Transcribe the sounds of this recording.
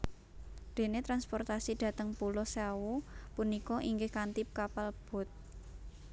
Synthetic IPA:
d̪̥e̤net̪ɾanspɔrt̪asid̪̥ä̤t̪əŋpulɔsawupunikɔʔiŋɡɪhkant̪ip̚kapalb̥ɔ̤t̪̚

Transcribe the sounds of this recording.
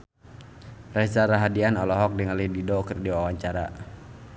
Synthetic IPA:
rɛsaɾaɦadianɔlɔɦɔk̚diŋalididɔkərdiwawaɲt͡ʃaɾa̰

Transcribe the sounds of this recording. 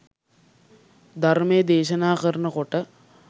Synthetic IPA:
d̪ʱarmejəd̪eːʃənaːkəɾənəkoʈə

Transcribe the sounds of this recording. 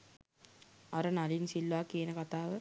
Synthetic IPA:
aɾənalinsilːʋaːkiənəkat̪aːʋə

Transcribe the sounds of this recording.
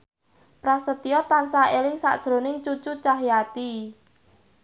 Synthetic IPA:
pɾasət̪iɔt̪ansaelɪŋsa̰ʔd̥ʒ̥ɾo̤nɪŋt͡ʃut͡ʃut͡ʃaɦjat̪i

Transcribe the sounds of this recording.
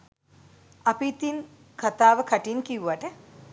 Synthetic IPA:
apit̪in | kʰat̪aːʋəkʰaʈinkiuʋaʈə

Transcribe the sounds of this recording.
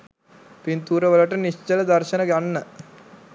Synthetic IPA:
pint̪uːɾəʋələʈənist͡ʃːələd̪ɐɾʃənəɡanːə

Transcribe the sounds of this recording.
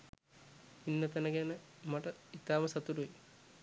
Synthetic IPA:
inːɐt̪ɐnɐɡenɐmɐʈɐit̪aːmɐsɐt̪uɾui

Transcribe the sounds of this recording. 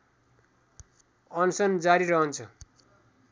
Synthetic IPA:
ʌnsʌnd͡zaɾiɾʌɦʌnt͡sʰʌ

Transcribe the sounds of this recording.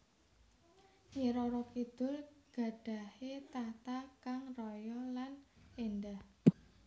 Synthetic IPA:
ɲiɾɔɾɔkid̪̥ʊ̤lɡ̥a̤ɖ̥a̤het̪at̪akaŋrɔjɔlanendah

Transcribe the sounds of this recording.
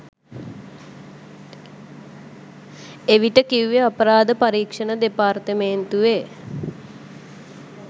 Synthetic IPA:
eʋiʈəkiuʋeapəɾaːd̪əpaɾiːkʂənəd̪epart̪əment̪uʋe

